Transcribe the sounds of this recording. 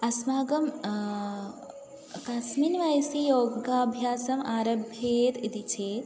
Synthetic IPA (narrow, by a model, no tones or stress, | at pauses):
ɐsmaːɡɐm | kasminʋajsijoːɡaːbʱjaːsɐmaːɾɐbʱjeːt̪it̪it͡ʃʰeːt̪